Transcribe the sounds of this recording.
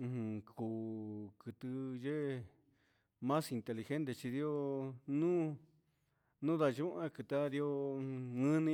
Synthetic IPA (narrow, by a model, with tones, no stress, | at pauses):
hɨ̃˧kuː˨kɨ˧˨t̪ɨ˧ʒe˦ | mã˦si˧nt̪e˧li˧xe˦nt̪e˧t͡ʃi˧ði˦o˦˧nũː˦ | nũ˦ða˧ʒũ˦ʔã˦kɨ˧t̪a˦ði˧o˧ɨ̃˦nĩ˧˦